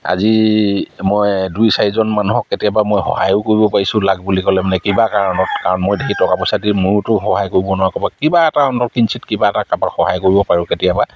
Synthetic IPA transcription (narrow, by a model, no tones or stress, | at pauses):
a̰zi | mojdujsaɹizɔnmanuɦɔkːetijabamojxɔ̰hajʊkoɹibɔpaɹisʊ̃laɡ̚bulikɔlɛmanɛkibakaɹɔnɔt̚kaɹɔnmojdeɦitɔkapɔsadimʊɹtʊxɔɦajkoɹibɔnʊwakɔbakibaɛtaɔntɔɹkinsʰitkibaɛtakabaxɔɦajkoɹibɔpaɹʊ̃ketijaba